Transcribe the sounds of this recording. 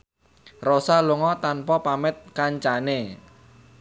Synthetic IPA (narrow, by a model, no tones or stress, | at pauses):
rosaluŋɔt̪anpɔpamɪt̪̚kaɲt͡ʃane